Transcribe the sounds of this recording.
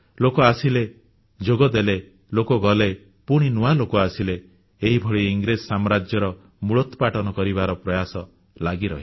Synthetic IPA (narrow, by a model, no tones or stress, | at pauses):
lokɔasile | d͡ʒoɡɔd̪ele | lokɔɡɔle | puɽ̃inuwalokɔasileː | ɦibʱɔɭiiŋɡɾessamɾad͡ʒjɔɾɔ | muɭɔt̪ɔpaʈɔnɔkɔɾibaɾɔpɾɔjasɔ | laɡiɾɔ̰ɦi